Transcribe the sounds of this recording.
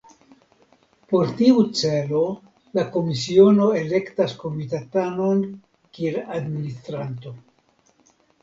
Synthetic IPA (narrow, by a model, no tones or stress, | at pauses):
po̞ɾtiut͡se̞lo̞ | lako̞misio̞no̞e̞le̞ktasko̞mitatano̞n | kieladministɾanto̞